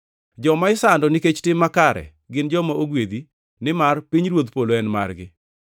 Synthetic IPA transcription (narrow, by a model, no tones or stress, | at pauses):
d͡ʒɔmaɪsandɔnɪket͡ʃtɪmːakaɾɛ̰ | ɡɪnd͡ʒɔmaʔoɡwed̪i | nɪmarpiɲɾwot̪poloɛnma̰rɡɪ̰